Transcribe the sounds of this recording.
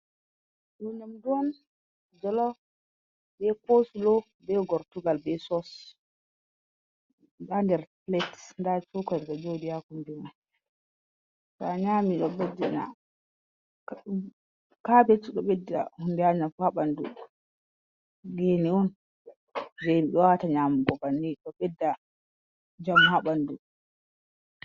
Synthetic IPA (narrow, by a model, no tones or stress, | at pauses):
ɗɔɲamduwɔn | d͡ʒɔlɔ | bɛkosulɔ | bɛɡɔɾtuɡalbɛsɔs | dandɛɾplɛtndat͡ʃukɔɾɗad͡ʒodijakunduman | kaɲamiɗɔbad͡ʒɛna̰ | kabet͡ʃːiɗɔɓɛdːa̰hundɛaɲafhaɓandṵ | ɡeniɔn | d͡ʒemiɗɔwataɲamuɡɔbanːiɗɔɓɛdːa | d͡ʒamhaɓandu